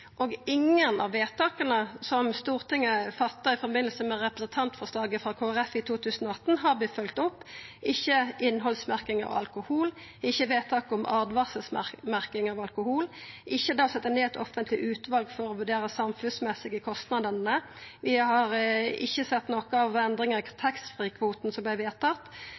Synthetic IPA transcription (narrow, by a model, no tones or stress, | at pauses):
ʔoːɡɪŋənɑ̰ʋːeːt̪ɑːkənəsɔmst̪uːʁt̪ʰɪŋːəfɑt̪ːəɾɪfɔɾbɪnəl̩səmɛɾɛpʁəsnt̪ʰɑnt̪fɔʁslɑːɡəfʁɑkʰoːæʁɛfɪt̪ʰuːt̪ʰʉːsənoːɑt̪ːn̩ɦɑɾbɪfœlkt̪ɔpːʔɪçːəʔɪnːɦɔlsmæʁkɪŋɑ̰ʋɑ̰lkʊhuːlɪçːəʋeːt̪ʰɑːkʊmʔɑːd̪ʋɑsəsmæʁkɪŋɑʋɑlkʊhuːlʔɪçːəd̪ɑːsɛt̪ːɑneːɛt̪ɔfənt̪ʰlɪʔʉːt̪ʋɑlɡfɔɾɔʋʉɖ̪eːʁəsɑmfʉnsmɛsɪɡəkʰɔst̪nɑd̪ənnə | ʋɪhɑɾɪçːəsɛt̪ːnoːkəɑʋɛnd̪ʁɪŋəkʰt̪ʰɛkst̪fʁiːkʰʋuːt̪nsɔmblæɪʋeːʁt̪ʰɑt̪